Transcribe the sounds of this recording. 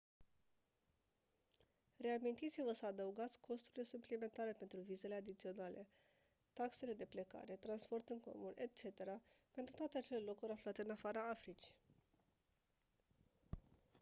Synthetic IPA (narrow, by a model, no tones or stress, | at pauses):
re̞amint̪it̪sivəsəad̪əuɡat̪sʲkʰo̞st̪uɾilesuplime̞nt̪aɾe̞pe̞nt̪ɾuvize̞le̞ad̪it̪sio̞nalʔe̞ | t̪akse̞le̞d̪e̞pleka̰ɾe̞t̪ɾanspo̞rt̪ɨŋko̞̰mune̞t̪̚t͡ʃe̞t̪e̞ɾapent̪ɾut̪oat̪e̞at͡ʃe̞le̞lo̞kuɾʲafluat̪e̞ɨnafaɾəafɾit͡ʃi̥